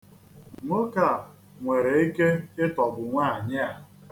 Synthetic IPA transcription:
ŋʷo˦ka˦˨ | ŋʷe˨ɾe˨i˦ke˦ɪ˦tɔ˨bʊ˨ŋʷaː˦˨ɲɪ˦a˨

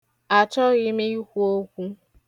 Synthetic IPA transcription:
a˨t͡ʃɔ˦ɣɪ˦me˦i˦kʷu˦o˦kʷu˦

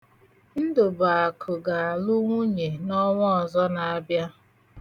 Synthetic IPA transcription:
n̩˦dʊ˨ba˨a˨kʰʊ˨ɡa˨a˨lʊ˦ŋʷu˦ɲe˨nɔ˦ŋʷɔ˦ɔ˨zɔ˦na˨a˦bja˦

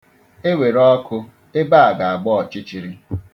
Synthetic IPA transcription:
e˦we˨ɾɔ˦kʊ˦ | e˦ba˦a˨ɡa˨a˨ɡ͡bɔ˦ɔ˨t͡ʃi˦t͡ʃi˨ɾi˦

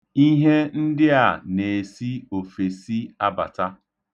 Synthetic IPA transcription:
i˦ɦe˦n̩˦dɪ˦a˨ne˨si˦o˨fe˨si˦a˦ba̰˨ta˦

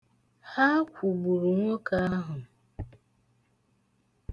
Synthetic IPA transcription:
ha˦kʷu˨bu˨ɾu˨ŋʷɔ˦ka˦a˦ɦʊ˨

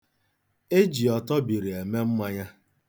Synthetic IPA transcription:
e˦d͡ʒi˨ɔ˨tɔ˦bi˨ɾi˨e˨me˦m̩˦mʷa˦ɲa˦

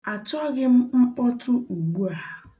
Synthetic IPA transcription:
a˨tɔ˦ɣɪ˦m̩˦ŋ͡m̩˦k͡pɔ˦tʊ˦u˨ɡ͡bu˦a˨

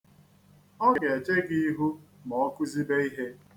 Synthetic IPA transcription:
ɔ˦ɡɡe˨t͡ʃe˦ɡi˦i˦ɦu˦mɔ˨ɔ˦kʊ˦zi˦be˦i˦ɦe˦

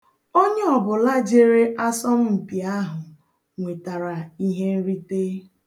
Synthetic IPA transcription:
o˦ɲe˦ɔ˨bʊ˨la˦d͡ʒe˦ɾe˦ʔa˦sɔ˦m̩˦m̩˨pi˨a˦ɦʊ˨ | ŋʷe˨ta˨ɾa˨i˦ɦe˦n̩˦ɾi˦te˦

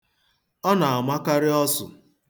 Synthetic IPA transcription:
ɔ˦na˨a˨ma˦ka˦ɾɪ˦ɔ˦sʊ̰˨

